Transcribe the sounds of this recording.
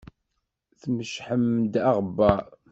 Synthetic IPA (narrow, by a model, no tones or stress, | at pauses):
θməʃħəmd̪aʁbːɑ